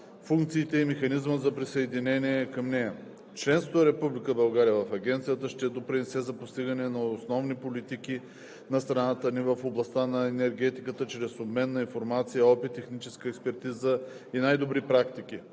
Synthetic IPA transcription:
fuŋkt̪siːt̪ɛimɛxɐnizməzɐpɾisəɛd̪inɛniɛkɐmnɛjɐ | t͡ʃlɛnst̪voəɾɛpublikəbɐlˠɡaɾijəvɐfɐɡʲɛnt̪sijət̪əʃt̪ɛd̪opɾinɛsɛzɐpost̪iɡənɛnɐosnɔvnipolit̪iki | nɐst̪ɾɐnat̪ənivəfoblˠɐst̪anɐɛnɛɾɡ̟ɛt̪ikət̪ət͡ʃɾɛsobmɛnːɐinfoɾmat̪sijəɔpit̪ːɛxnit͡ʃɛskəɛkspɛɾt̪izə | inajd̪obɾipɾakt̪ik̟i

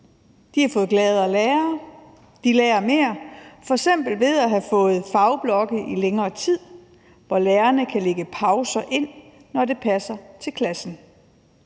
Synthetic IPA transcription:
d̥ihɑ̈fɔ̽ːðˠɡ̥lɛːð̞ˠæleːɐ | d̥ileːɐme̝ːɐfɒ̽eɡ̥sem̰b̥l̩ʋe̝ð̞ˠæɦæfɔ̽ːð̞̩ˠfɑ̈ʊb̥lɒ̽ɡ̥əʔileŋɐːt͡sʰið̞̰ˠ | ʋɒleːɐnəkʰæleɡ̥əpʰɑ̈ʊsɐʔe̝n̰ | nɒde̝pʰæsɐt͡sʰe̝lkʰlæsn̩

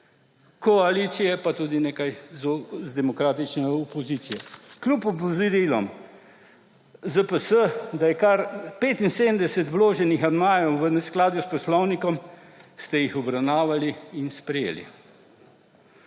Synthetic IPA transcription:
kɔaliːt̪sijɛpat̪uːd̪ineːkajzzd̪ɛmɔkɾaːt̪it͡ʃnɛɔpɔzit̪sijɛklʲupɔpɔzɾilɔ̰m | zəpəsəd̪ajɛkaɾpeːt̪inseːd̪md̪ɛsɛt̪wloːʒɛnixad̪majɔwʋənɛsklaːd̪juspɔslɔwnikɔm | st̪ɛjixɔbɾawnaːʋaliːnspɾɛjḛːlḭ

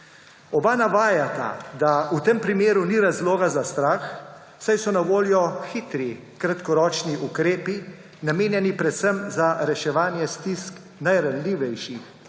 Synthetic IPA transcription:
ɔbanaʋaːjat̪a̰d̪aut̪empɾimeːɾuniɾazloːɡazast̪ɾaːx | sajsɔnaʋoːljɔxit̪ɾi | kɾat̪kɔɾɔːt͡ʃniʔukɾeːpi | nameːnjɛnipɾɛt̪səmzaɾɛʃɛʋaːnjɛst̪isk | najɾanliːʋɛjʃix

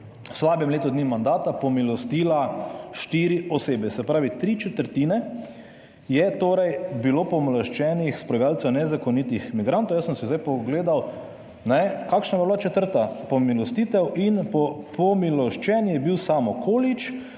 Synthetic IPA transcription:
slaːbɛmleːt̪ɔd̪nimand̪aːt̪apɔmilɔst̪iːlaʃt̪iɾiɔseːbɛsɛpɾaːʋit̪ɾiːt͡ʃɛt̪əɾt̪iːnɛ | jɛt̪oːɾɛjbiloːpɔmlɔʃt͡ʃɛnixspɾɔalt͡s̪ɔnɛzakɔnit̪ixmiɡɾant̪ɔwjasəmsizd̪ajpɔɡleːd̪aw | nɛkaːkʃnabablat͡ʃɛt̪əɾt̪apɔmilɔst̪it̪ɛwinpɔpʰɔmilɔʃt͡ʃɛnjɛbiwsaːmɔkʰoːlit͡ʃ

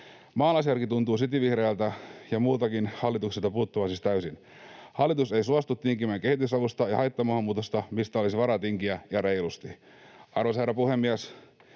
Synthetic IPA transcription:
mɑːnɑsjɑrkit̪unt̪uːs̬it̪iʋihɾeːlt̪æjɑmuːt̪ɑkinhɑlːit̪ukselt̪ɑpuːt̪ːuʋɑsist̪æysin | hɑlːˑit̪useisuɑst̪ut̪ːiŋkimeŋke̞hit̪ysɑʋust̪ɑjɑhɑjt̪ːɑmɑhɑmːuːt̪ost̪ɑmist̪æolisiʋɑɾɑt̪iŋkiæjɑɾejlust̪i | ɑrʋosherːˑɑpuhemːiæs

